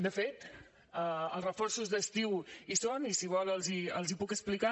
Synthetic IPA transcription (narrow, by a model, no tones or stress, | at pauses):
d̪əfet̪ | əəlˠsrəfɔrsuzðəst̪iwisonisiβɔlˠəlˠziə̰lˠzipukəsplika